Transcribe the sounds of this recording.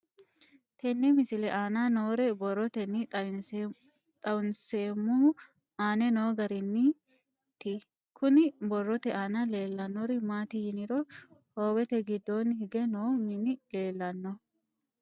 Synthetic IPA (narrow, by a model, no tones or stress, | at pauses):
t̪ɛnːɛmɪsɪlɛʔaːnanoːɾɛbɔrɔt̪ɛnːɪ | t̪ʼɐwʊnseːmːuː | aːnɛno̞ːɡɐɾɪnːɪ | t̪ɪ | kʰʊnɪbɔrːɔt̪ɛaːnɐle̞ːlːɐnːɔɾɪmaːt̪ɪjɪnɪɾɔhoːwɛt̪ɛɡɪd̪ːɔnhɪɡɛnoːmɪnɪle̞ːlːɐnːɔ